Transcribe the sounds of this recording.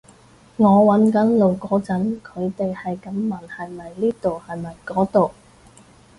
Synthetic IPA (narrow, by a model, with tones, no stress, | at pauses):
ŋɔː˨˧wɐ˨˥nkɐ˨˥nlo˨wkɔː˨˥t͡sɐ˨˥nkʰɵ˨˧ɥt̪e˨jhɐ˨jkɐ˨˥mːɐ˨˩nhɐ˨jmɐ˨jliː˥t̪o˨whɐ˨jmɐ˨˩jkɔː˨˥t̪o˨w